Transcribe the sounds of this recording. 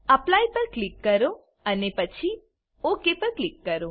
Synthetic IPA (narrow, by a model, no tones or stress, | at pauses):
əplajpəɾklikːəɾo | ənepət͡ʃʰi | okepəɾklikːəɾo